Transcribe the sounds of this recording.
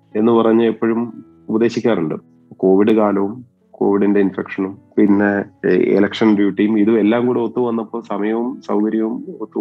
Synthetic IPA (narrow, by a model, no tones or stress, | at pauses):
e̞nːɨpɐrɐɲːɨepːoːɻum | ubɐðe̞ːɕikʲːaːɾnuɳɖɨ̰ | ko̞ːʋiɽɨkaːlɐʋum | ko̞̰ːʋiɽinde̞infekʂɐnumpinːe̞ḛlɐkʂɐnɖjuːʈːijumiðuelːaːmkuːɽeot̪ːuʋɐnːɐpːo̞ːsɐmɐjɐʋumsɐwkɐɾjɐʋumot̪ːu